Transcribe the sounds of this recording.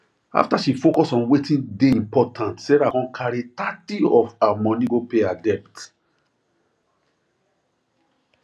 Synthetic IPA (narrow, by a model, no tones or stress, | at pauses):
a̰ftaʃifokɔsɔ̃nwetʰĩndeĩmpɔtʰãntsɛɹakɔ̃nkʰaɹitatiɔfamɔ̃nĩɡopeadɛp̚t